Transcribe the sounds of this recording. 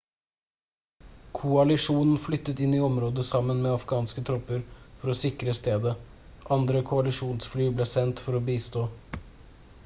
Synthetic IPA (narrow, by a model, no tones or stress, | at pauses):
kʰʊɑlɪʂuːnn̩flʏt̪ːət̪ɪniːɔmɾoːd̪əsɑmːənmeːɑfɡɑːnskət̪ʰɾɔpəɾfɔɾɔsɪkɾəst̪eːd̪ə | ʔɑnd̪ɾəkʰʊɑlɪʂuːnsflyːbleːsɛnt̪fɔɾobiːst̪oː